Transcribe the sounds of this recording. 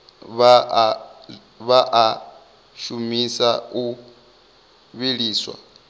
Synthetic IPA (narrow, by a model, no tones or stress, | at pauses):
βa | βaʔa | ʃumisau | βiɺiːswa̰